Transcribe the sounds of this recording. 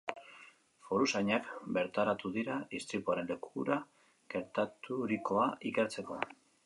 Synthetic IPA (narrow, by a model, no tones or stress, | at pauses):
fo̞ɾusaɲakbe̞ɾt̪aɾat̪uðiɾaist̪ɾipuaɾe̞nle̞kuɾa | ɡe̞ɾt̪at̪uɾiko̞aʔike̞ɾt͡se̞ko̞